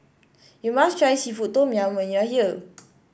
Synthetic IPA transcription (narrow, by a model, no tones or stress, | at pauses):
jumastʰɹajsifut̚tõmjãnwɛ̃njahiə